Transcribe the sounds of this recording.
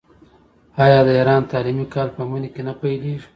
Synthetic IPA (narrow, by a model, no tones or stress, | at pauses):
ɑjɑd̪əiɾɑnt̪ɑlimikɑlpəmunikenapajleʐi̥